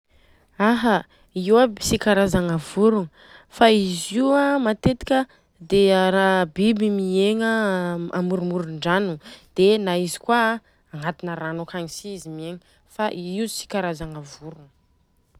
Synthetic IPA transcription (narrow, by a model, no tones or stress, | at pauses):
aɦə | iwabisikaɾazaŋavuɾuŋə | faiziamat̪et̪i̥kʲə | d̪eɾabibimieŋəamuɾumuɾuɳɖ͡ʐanud̪̥enaizi̥kwa | aŋat̪inəɾanokaɲisiizimieŋə | faʔiisi̥kaɾazaŋavuɾuŋə